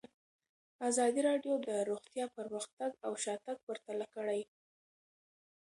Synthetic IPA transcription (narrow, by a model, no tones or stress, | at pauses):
azɑd̪iɾɑɖjod̪əɾoɣt̪jɑpəɾməxt̪aɡawʃɑt̪aɡ̚pəɾt̪alakəɽaj